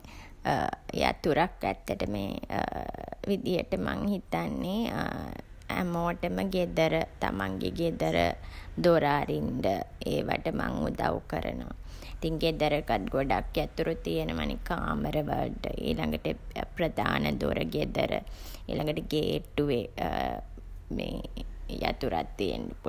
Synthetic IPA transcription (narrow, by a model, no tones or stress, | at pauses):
eja̰t̪uɾakæt̪ːəʈəmḛː | ʋid̪ijəʈəmaŋhit̪anːe | æmoʈəməɡed̪əɾət̪amaŋɡeɡed̪əɾəd̪oɾaːɾinɖ̪əeːʋaʈəmaŋud̪aʋukəɾə̰nəʋait̪iŋɡed̪əɾəkat̪̚ɡoɖakjat̪uɾut̪ijenəʋanekaːməɾəʋəlɖəʔiːlaŋɡəʈəprəd̪ʱaːnəd̪oɾəɡed̪əɾə | eːlaŋɡəʈəɡeːʈːuʋe | meːjat̪uɾat̪ːijḛndepu